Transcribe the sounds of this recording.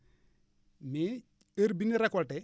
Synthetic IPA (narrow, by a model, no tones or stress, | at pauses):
mi | əɾbiniɾɐkɔʈe